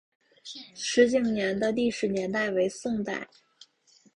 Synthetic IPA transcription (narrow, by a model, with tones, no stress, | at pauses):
ʂɻ̩˧˥t͡ɕi˧˥˩ŋnjɛ˧˥nd̪ə˧li˥˩ʂɻ̩˧˥njɛ˧˥nt̪a˥˩ɪwe˧˥ɪsʊ˥˧ŋt̪a̰˥˩ɪ